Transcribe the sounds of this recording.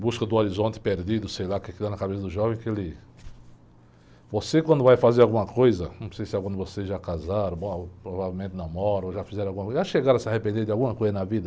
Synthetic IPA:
buskɐd̪ʊoɾizõnt̪ɪ̥peɾd̪id̪ʊsejlakɛkit̪anɐkabesɐd̪ʊʒɔvẽkɪelɪ | vosekwɐ̃nd̪ʊvajfazeɾawɡũmɐkojzɐnɐ̃w̃sejsɪakɐ̃nd̪ʊvoseʒakazaɾɐ̃bõpɾovavewmẽnt̪ɪnɐ̃mɔɾɐoʒafizɛɾ̃awɡũɐkʒaʃeɡaɾɐsɪahepẽnd̪eɾd̪ɪawɡũmɐkojzɐnɐvid̪ɐ

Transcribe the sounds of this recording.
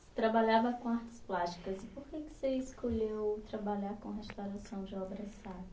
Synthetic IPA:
t̪ɾabaʎavɐkõaɾt͡ʃ̪ɪ̥splast͡ʃi̥kɐzɪpoɾkekɪ̥seiskoʎewt̪ɾabaʎaɾkõɦest̪awɾasɐ̃w̃d͡ʒɪɔbɾɐsad̪ɐ

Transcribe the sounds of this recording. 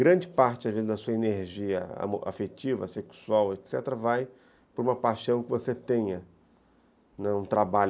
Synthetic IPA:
ɡɾɐ̃d͡ʒɪpaɾt͡ʃɪazvezɪzd̪ɐsuɐeneɾʒiɐa̰moa̰fet͡ʃivɐ̰seksuawet̪sɛt̪eɾɐvaj | pʊɾũmɐpaʃɐ̃w̃kɪvoset̪ẽɲɐ | nɛũt̪ɾabaʎ

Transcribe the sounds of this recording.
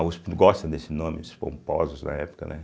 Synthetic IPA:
ʊsɡɔst̪ɐ̃d̪esɪnõmɪd̪ʊ̥spõ̰mpɔzʊznɐ̰ɛpʊ̥kɐ̰nɛ

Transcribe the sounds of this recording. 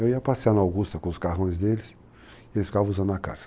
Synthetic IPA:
ewiɐpasianawɡust̪ɐkõʊskaɦõj̃zd̪elɪs | elɪsfi̥kavɐ̃uzɐ̃nd̪ɐaka̰z̥ɐ̥

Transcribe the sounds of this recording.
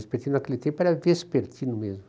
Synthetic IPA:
speɾt̪ʲinaklet̪epaɾʲavespeɾt̪ʲʰinumez

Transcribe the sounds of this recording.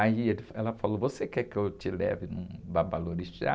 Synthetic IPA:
aielɪfɛlɐfalovosekɛkɪewt͡ʃɪlɛ̰vɪnɐ̃w̃vabaloɾisia̰

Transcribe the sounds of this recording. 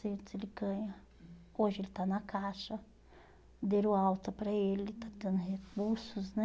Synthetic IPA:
sẽt̪ʊzelɪɡɐ̃ɲɐ | oʒɪelɪt̪anɐkʰaʃɐ | d̪eɾuawt̪ɐpɾɐelɪt̪ad̪ẽnʊɦek̚uɾsʊznɛ

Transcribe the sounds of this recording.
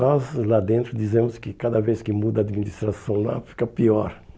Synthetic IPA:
ɔzlad̪ẽnt̪ɾʊd̪izẽmʊskɪkad̪ɐveskɪmud̪ɐːd̪minist̪ɾasɐ̃w̃la̰fi̥kɐpiɔɾ

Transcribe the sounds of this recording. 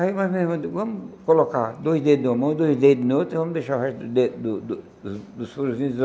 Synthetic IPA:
aimazmezmʊvɐ̃mʊkolokad̪ojzd̪ed̪ɐ̃mɐ̃w̃d̪ojzd̪ed̪ɪnot̪ɾivɐ̃mʊd̪eʃaɦɛʃt̪d̪ʊd̪ed̪ʊd̪ | d̪ʊsfoɾusĩ

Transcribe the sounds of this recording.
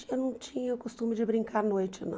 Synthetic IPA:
ewnɐ̃w̃t͡ʃĩɲɐʊkost̪ũmɪd͡ʒɪbɾĩŋkaɾnojt͡ʃɪnɐ̰̃

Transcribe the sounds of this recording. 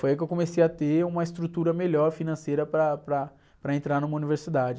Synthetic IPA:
fojɐkewkõmesejɐt̪eũmɐɪst̪ɾut̪uɾɐmeʎɔɾfinɐ̃sejɾɐpɾɐpɾɐ | pɾɐẽnt̪ɾaɾnũmɐuniveɾsid̪ad͡ʒɪ

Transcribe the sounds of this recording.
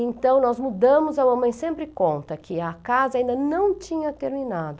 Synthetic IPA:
ẽnt̪ɐ̃w̃nɔzmud̪ɐ̃mʊzɐwɐmɐ̃j̃sẽmpɾɪkõnt̪ɐkɪɐkazɐaːĩnd̪ɐnɐ̃w̃t͡ʃĩɲɐt̪eɾminad̪ʊ

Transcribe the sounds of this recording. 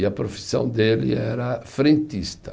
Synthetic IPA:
ɐpɾofi̥sɐ̰̃w̃d̪elɪ̰ɛɾɐfɾẽnt̪ist̪ɐ

